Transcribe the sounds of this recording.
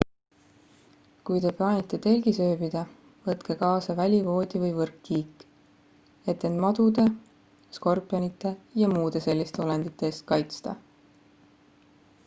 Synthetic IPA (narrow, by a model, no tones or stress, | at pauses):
kujt̪e̞plɑːnʲit̪ːˑe̞t̪e̞lɡ̥isø̞ːb̥id̪̥ɑ | vɤt̪ke̞kɑːsɑvælʲivo̞ːd̪̥ʲivɤjvɤrkːiːkː | e̞t̪ːe̞nd̪mɑd̪̥ud̪e̞ | sko̞rpːˑjɑnit̪ˑːe̞jɑmuːd̪̥e̞se̞lʲːist̪e̞ole̞nd̪̥it̪ːˑeeːst̪̚kɑjt̪st̪ɑ̰